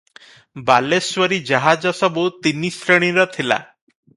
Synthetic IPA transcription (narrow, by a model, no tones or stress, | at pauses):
balesʋəɾid͡ʑaɦad͡zɔsɔbut̪inːisɾəɽ̃ĩɾɔt̪ʰila̰